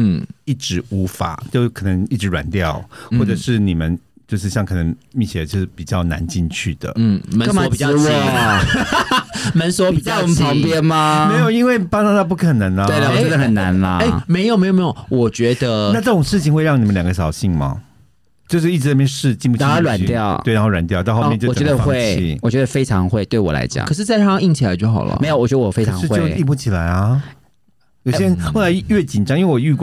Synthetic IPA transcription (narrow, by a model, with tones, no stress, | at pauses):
n̩˥˩i˥˩ʈ͡ʂɻ̩˧˥u˧˥fa̰˨˩˦t͡ɕjo˥˩ʊkʰɤ˨˩nə˧˦ŋi˥˩ʈ͡ʂɻ̩˧˦ɻwa̰˨˩˦nt̪jɑ˥˨ʊxwɔ˥˩ʈ͡ʂə˨˩ʂɻ̩˥˩ni˨˩mə˦nt͡ɕjo˥˧ʊʂ̬ɻ̩˥˧ɕjɑ˥˩ŋkʰɤ˨˩nə˧˦ŋmi˥˩t͡ɕʰjɛ˧˩o˧˥˩pi˨˩t͡ɕjɑ˥˩ʊna̰˧˦nt͡ɕi˥˧nt͡ɕʰy˥˩d̪ə̰˩˥˩mə̃˧˥˨ɔ˨˧˥pi˨˩ɑ˥˧˥ | mə˧˦nswɔ˥pi˨˩t͡ɕɑ˥˧pʰɑ˧˦ŋpjɛ˦˥nma˨me˧˥ɪjo˨˩ʊi˦˥nwe˥˩ɪpɑ˥sɑ˥ŋt̪a˥˧p̬u˥˩kʰə˨˩nə˧˥nlɐ˧we˥˩˨ə˧xə˨˩nːa˧˦nlɐ̰˧e˥˩me˧ɪjo˨me˧˥jo˨˩˨me˦jo˨˩wɔ˨˩t͡ɕɥɛ˧˥d̪ə˧na˥˧ʈ͡ʂɤ˥˧ʈ͡ʂʊ˨˩ŋʂɻ̩˥˩t͡ɕʰi˨ŋxwe˥ɪɻɑ˥˩ŋi˨mə˦ljɑ˨˩ŋɡə˦ɕ̬ɑ˨˩ʊɕi˥˩ŋmɐ̰˩ | t͡ɕjo˥˧ʂɻ̩˥˩i˥˩ʈ͡ʂɻ̩˧na˥˩pjɛ˥˧nʂɻ̩˥˧t͡ɕi˥˧ŋpu˥˩˥wa̰˨˦nt̪jɑ˥˨˩ʊwe˥˩na˧˥xo˥˩wa˨˩nt̪jɑ˥˨ʊt̪ɑ˥˧xjjɔ˨˩t͡ɕɥɛ˧d̪ə˧xwe˥˧ɪ˧wɔ˨˩t͡ɕɥɛ˧˥d̪ə˧fe˥ɪʈ͡ʂʰɑ˧˦ŋxwe˥˧ɪt̪we˥˩ɪwɔ̰˨˩la̰˧ɪt͡ɕjɑ̰˨˩ŋkʰɤ˩ʂ̬ɻ̩˥˧t͡sa˥ɪtʰa˥˩˥ŋi˥˩ŋt͡ɕʰi˨˩la˧˦ɪt͡ɕjo˥˩ʊxɑ˨˩lʔə̰˩˦m˧˥jwɔ˨˩t͡ɕɥɛ˧˦d̪ə˧ɔ˨˩fe˥ɪɑ̰˧˦ŋ̩˥xwe˥jo˥˧ʊi˥˧pu˥˩t͡ɕʰi˨˩la˨˧˦ɪɐ˦ | jʊjɛ˥ɻə˧˦nxo˥˩ɪla˨˧ɪɥɛ˥˩t͡ɕi˨˩nʈ͡ʂɑ˥ŋi˥we˥˩wɔ˨˩y˥˧k